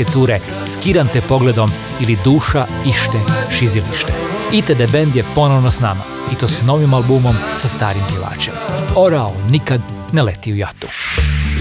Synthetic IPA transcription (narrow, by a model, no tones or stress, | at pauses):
et̪suːɾe | skiɾant̪epo̞ɡled̪o̞m | ilid̪uːʃa | iʃt̪eʃiziliʃt̪eit̪ed̪ebend̪jepo̞noʋnosnama̰ | it̪o̞ːsno̞ʋimalˠbuːmo̞msast̪aːɾimpjeʋa̰ːt͡ʃe̞mo̞ɾaolnikad̪ | nelet̪iujat̪u̥